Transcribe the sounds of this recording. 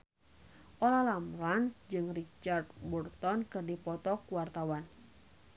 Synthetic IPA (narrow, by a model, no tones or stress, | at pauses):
ʔolalamɾand͡ʒɨŋrit͡ʃard̪burt̪ɔnkɨrdipɔt̪ɔkuwart̪awan